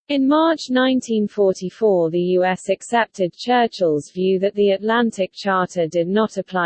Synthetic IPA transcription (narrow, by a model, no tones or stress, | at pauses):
ɪ̃nmɑˑt͡ʃnãɪ̃ntʰĩnfɔˑtʰifɔːðəjʉːɛsəksɛp̚tʰɪd̚t͡ʃʰɜˑt͡ʃəlˠzvjʉːðəʔðiətlãntʰɪk̚t͡ʃʰɑˑtʰədɪdⁿnətəpʰl̥aɪ